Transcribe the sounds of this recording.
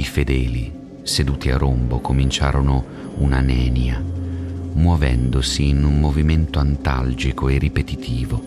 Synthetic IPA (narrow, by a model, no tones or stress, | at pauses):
ifed̪ɛːli | sed̪uːt̪ia̰rombokʰomint͡ʃa̰ːɾono | unanɛːnja | mwɔvɛ̰nd̪osiːnummoviment̪oant̪a̰ld͡ʒikʰoerːipet̪it̪ʰiːvo